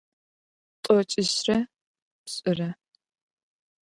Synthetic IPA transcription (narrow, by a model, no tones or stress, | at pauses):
tʼɔt͡ʃʼɪɕrɐ | pɕʼɪrɐ